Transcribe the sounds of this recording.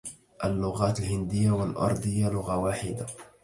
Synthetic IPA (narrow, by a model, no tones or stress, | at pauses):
ʔalːʊɣaːt̪alhɪnd̪ɪjːawalʔɑ̰ɾˤd̪ˤhɪjːjalʊɣawaːħɪd̪a